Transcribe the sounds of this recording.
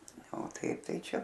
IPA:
oː ˈtɐɪp ˈtɐɪ ˈt͡ʃʲɛ

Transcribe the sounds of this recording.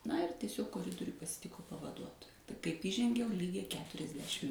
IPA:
nɐ ɪr tʲiɛˈsʲoːk koːˈrʲɪdoːrʲʊj pɐsʲɪˈtʲɪkʊ pɐʋɐˈduɔtoːjɛ kɐɪp iːˈʒʲɛŋʲɡʲɛʊ ˈlʲiːɡʲɛɪ kʲɛtʊrʲɛzʲˈdʲæːʃʲɪm

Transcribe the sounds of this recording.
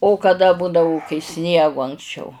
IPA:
oː kɐˈdɐ ˈbʊdɐʋoː kɐɪ ˈsʲnʲiɛɡʊ ɐŋksʲˈt͡ʃʲɛʊ

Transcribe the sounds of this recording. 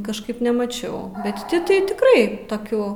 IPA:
kɐʃˈkɐɪp nʲɛmɐˈt͡ʃʲɛʊ bʲɛt ˈtʲɪ tɐɪ tʲɪkˈrɐɪ toːˈkʲuː

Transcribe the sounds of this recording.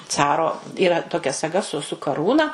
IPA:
ˈt͡sɑːroː iːˈrɐ toːˈkʲɛ sɐˈɡɐ sʊ sʊ kɐˈruːnɐ

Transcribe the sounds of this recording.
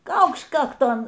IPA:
ˈkɐʊkʃt ˈkɑːktoːn

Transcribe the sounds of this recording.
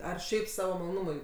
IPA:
ˈɐr ˈʃʲɛɪp ˈsɑːʋoː mɐlˠoːˈnʊmʊɪ

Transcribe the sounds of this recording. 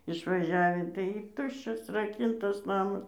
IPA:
ɪʃʋɐˈʒʲæːʋʲiː tɐɪ ˈtʊʃʲt͡ʃʲɛs rɐˈkʲɪntɐs ˈnɑːmɐs

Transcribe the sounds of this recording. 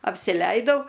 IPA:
ɐpʲsʲɪˈlʲɛɪdɐʊ

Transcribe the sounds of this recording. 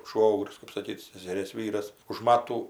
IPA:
ˈʃʋoːɡrʲʊs kɜp sɐˈkʲiːt sʲɛsʲɛˈrʲeːs ˈʋʲiːrɐs ʊʃ ˈmɑːtuː

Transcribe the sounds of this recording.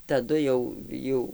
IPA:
tɐˈdʊ jɛʊ ˈjɛʊ

